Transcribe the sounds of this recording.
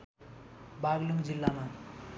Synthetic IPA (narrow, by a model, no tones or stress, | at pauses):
baɡluŋɡd͡zilːama